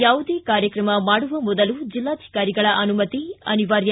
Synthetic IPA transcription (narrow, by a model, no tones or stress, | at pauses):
jaːʋud̪eːkaːɾjɐkɾɐmɐmaːɽuʋɐmɔd̪ɐlud͡ʒilːaːd̪ʱi̥kaːɾiɡɐɭɐʔɐnumɐt̪iɐ̰niʋaːɾjɐ